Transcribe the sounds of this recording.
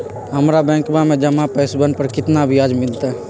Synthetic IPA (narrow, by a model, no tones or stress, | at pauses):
ɦɐmɾabɛ̃ːkbamẽd͡ʒɐmapɛːsbənpəɾkɪt̪nabʱiaːd͡ʒmɪlt̪aɦɛ